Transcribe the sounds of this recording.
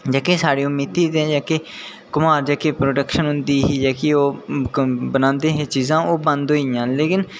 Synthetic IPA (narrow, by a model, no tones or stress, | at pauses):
d͡ʒaːkeːsaːɽiːʊmiːt̪iːt̪ẽːd͡ʒaːke | kʊmaːɾd͡ʒaːkeːpɾoːɖəkʃənɦʊ̃nd̪iːɦiːd͡ʒaːkeoː | bənãːnd̪eːɦeːt͡ʃiːzãːʔoːbə̃nd̪ɦoːɪjãːleːkɪn